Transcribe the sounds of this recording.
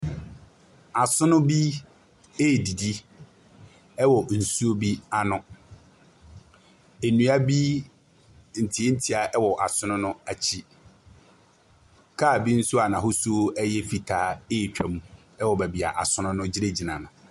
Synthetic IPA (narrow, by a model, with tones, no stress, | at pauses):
a˨sʊ̃˦nʊ̃˦bi˦ | eː˦˨di˨di˦ | ɛ˦wɔ˨n̩˨su˦o˦bi˦a˦nʊ̃˦ | e˨nũ˨˦a˦bi˦ | n̩˨tʰi˨˦e˦n̩˦tʰi˨˦a˨ʔɛ˦wɔ˨ʔa˨sʊ˦nʊ̃˦nʊ̃˦a˨t͡ɕʰi˦ | kʰa˦˨bi˦n̩˦sʊ˦a˨nã˨ɦʊ˦su˦o˦ɛ˦jɛ˦fi˨tʰaː˦e˦˨t͡ɕᶣa˨mũ˨ | ɛ˦wɔ˨bæ˨bi˨a̰˨ʔa˨sʊ˦nʊ̃˦nʊ̃˦d͡ʑɪ˦ɾe˦d͡ʑi˨nã̰˨nʊ̃˨